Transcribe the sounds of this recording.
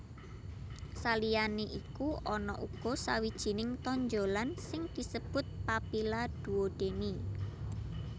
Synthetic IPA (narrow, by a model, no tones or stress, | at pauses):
salijaneʔikuʔɔnɔ̰ʔuɡ̥ɔsawid̥ʒ̥i̤nɪŋt̪ɔɲd͡ʒolansɪŋd̪̥i̤səb̥ʊ̤t̪̚papilad̪̥ṳwod̪̥eni